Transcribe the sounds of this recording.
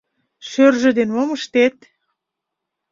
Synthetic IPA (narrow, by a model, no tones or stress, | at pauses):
ʃørʒĕd̪enmoməʃt̪et̪